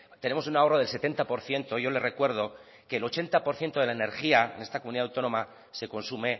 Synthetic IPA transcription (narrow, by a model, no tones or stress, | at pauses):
t̪e̞ne̞mo̞s̬unao̞ro̞ð̞e̞lse̞t̪e̞nt̪apo̞ɾθje̞nt̪o̞ʝo̞le̞re̞kwe̞ɾð̞o̞ | ke̞ːlo̞t͡ʃe̞nt̪apo̞ɾθje̞nt̪o̞ðe̞laene̞ɾxiaḛne̞st̪akomuniðawt̪o̞nõ̞ma | se̞ko̞nsume̞